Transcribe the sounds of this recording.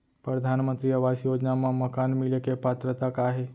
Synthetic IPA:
pɾəd̪ʱanmə̃nt̪ɾiəʋasjod͡ʒnamãməkanmilekepat̪ɾət̪akaɦe

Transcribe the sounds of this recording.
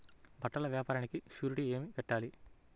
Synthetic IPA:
bʱɐʈːɐlɐʋjaːpaːɾɐnikiʃjuːɾiʈie̞ːmipɛʈːaːli

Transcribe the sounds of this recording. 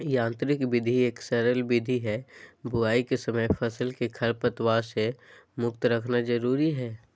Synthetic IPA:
jãːnt̪ɾɪkbɪd̪ʱieːksɛɾəlbɪd̪ʱiɦɛbʊaːikesəməjfʰəsəlkekʰɐɾpət̪waːsemʊk̚t̪ɾɐkʰnad͡ʒəɾuːɾiɦɛː

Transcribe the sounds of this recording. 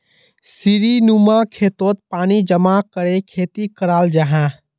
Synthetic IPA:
siɾinumakʰeːt̪ot̪̚paːnid͡ʒəmakəɾekʰeːt̪ikəɾaːld͡ʒaɦã

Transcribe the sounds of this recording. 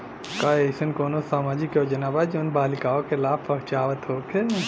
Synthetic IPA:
kaesənkoːnosaːmaːd͡ʒikod͡ʒənaːbad͡ʒoːnbaːlikaːokelaːbpəɦt͡ʃaːʋət̪ɦoːkʰe

